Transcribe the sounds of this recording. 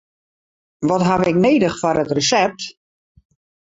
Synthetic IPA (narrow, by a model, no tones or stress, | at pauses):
ʋɔtɦaʋɪkneːdəxfɔɾətrəsɛp̚t